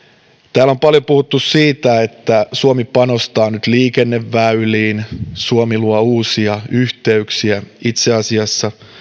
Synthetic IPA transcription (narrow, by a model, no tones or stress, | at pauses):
t̪æːlo̞mpɑljopuhut̪ːussiːt̪æet̪ːæsuomipɑnost̪ɑːnyt̪liːkenːeʋːæyliːnsuomiluɑuːsiɑyht̪e̞yksiæit̪seɑsiɑsːɑ